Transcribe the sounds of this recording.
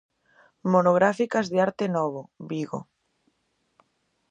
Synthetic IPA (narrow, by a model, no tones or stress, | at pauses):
monoɣ̞ɾafikɐzðeaɾt̪enɔβoβiɣo̰